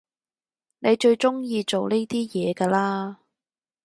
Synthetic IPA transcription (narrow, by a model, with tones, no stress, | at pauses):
ne˨˧jt͡ʃɵ˧ɥt͡ʃʊ˥ŋjiː˧t͡ʃo˨wne˥jt̪iː˥jɛː˨˧kaː˧laː˥